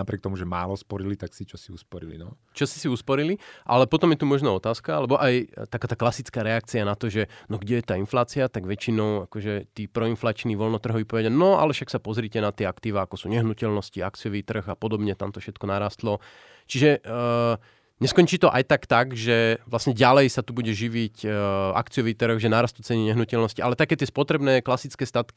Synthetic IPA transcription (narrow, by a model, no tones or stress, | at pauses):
napɾɪɛk̚t̪ɔmuʒɛmaːlɔspɔɾilit̪aksit͡ʃɔsiuspɔɾilḭnɔ | t͡ʃɔsi̥siuspɔɾiliʔa̰lɛpɔt̪ɔmjɛt̪umɔʒnaːɔt̪aːskaalɛbɔʔajt̪akaːt̪aːklasit͡skaːɾɛak̚t͡sianat̪ɔʒɛnɔɡɟɛjɛt̪aːinflaːt͡siat̪aɡʋɛt͡ʃinɔʊakɔʒɛt̪iːpɾɔinflaːt͡ʃniːʋɔlnɔt̪r̩ɦɔʋipɔʋɛɟanɔa̰lɛfʃaksapɔzɾicɛnat̪ɪɛakt̪iːʋaakɔsuːɲɛɦnucɛlnɔsciakt͡siɔʋiːt̪r̩ɣapɔd̪ɔbɲɛt̪amt̪ɔfʃɛt̪kɔnaɾaːst̪lɔ | t͡ʃiʒɛ | ɲɛskɔɲt͡ʃiːt̪ɔʔajt̪akt̪aɡʒɛʋlasɲɛɟalɛjsat̪ubuɟɛʒiʋica̰kt͡sijɔʋiːt̪r̩ɣʒɛnaːɾast̪ut͡sɛniɲɛɦnucɛlnɔsciʔalɛt̪akɛːt̪ɪɛspɔt̪ɾɛbnɛːklasit͡skɛːst̪at̪ki̥